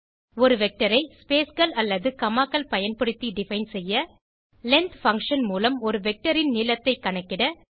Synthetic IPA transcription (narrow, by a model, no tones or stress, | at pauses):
ɔɾɯʋɛk̚ʈːɐɾɐɪspeːsɡɐlɐlːɐðɯkɐmaːkːɐlpɐjɐnpɐɽɯt̪ːiɖɪfɐɪnsɛjːɐ | lɛnt̪fɐŋkʂɐnmuːlɐmɔɾɯʋɛk̚ʈɐɾɪnnɪlɐt̪ːɐɪkːɐɳɐkːɪɽɐ